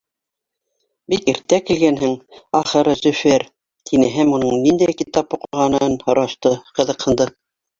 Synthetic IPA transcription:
bikiɾt̪ækilɡænhɘŋɑχɤ̆ɾɤzɵfɘɾ | t̪ʰinɘɦɘmunɤɴnind̪æjkit̪ɑpuqŭʁɑnɤnhŏɾɑʃt̪ɤqɤ̆ðɤ̆qhɤ̆nd̪ɤ

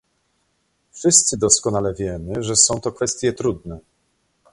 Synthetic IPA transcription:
fʂɘst̪sɘd̪ɔskɔnalɛvʲjɛmɘʐɛsɔ̃w̃t̪ɔkfɛst̪ʲjɛt̪ɾud̪nɛ

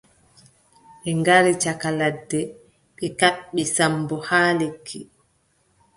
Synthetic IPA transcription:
ɓɛŋɡaɾit͡ʃakaladːɛ | ɓɛkaɓːisambɔhaːlekʰːi

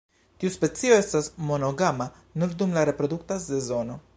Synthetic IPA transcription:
tiuspe̞t͡sio̞e̞stasmo̞no̞ɡama | nuɾd̪umlaɾe̞pɾo̞d̪uktase̞zo̞no̞

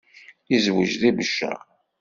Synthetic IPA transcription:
izwəʒðibəʃːæ̰

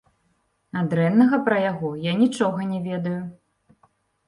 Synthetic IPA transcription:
ad̪ɾɛnːɐɣɐpɾɐjaɣɔjanʲit͡ʂɔɣɐnʲɛvʲɛd̪ɐju

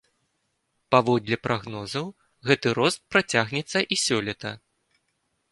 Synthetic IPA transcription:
pavɔd̪lʲɐpɾʔaɣnɔzɐw | ɣɛt̪ɨɾɔst̪̚pɾat͡sʲaɣnʲɛt̪sːɐʔisʲɔlʲɛt̪ɐ

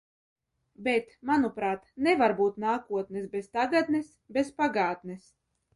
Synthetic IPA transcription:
bet̪manupɾaːt̪nɛvaɾbuːt̪naːkuɔt̪nɛsbest̪aɡad̪nɛs | bespaɡaːt̪nɛs

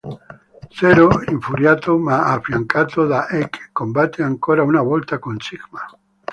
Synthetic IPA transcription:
θeɾoiɱfuɾjat̪omaafjaŋkat̪oðaʔeke̥kombat̪eaŋkoɾaunaβolt̪akonsiɣma

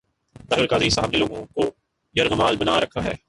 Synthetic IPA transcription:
t̪aːɦiɾkaːd̪isaːɦaːbiloːɡõko | jɐɾɣəmaːlbɐna̰ːɾɐkʰːaɦɛː

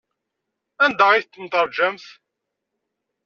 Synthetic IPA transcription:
ænd̪ɑʁiθt̪ːənt̪ˤəɾˤd͡ʒæmθ

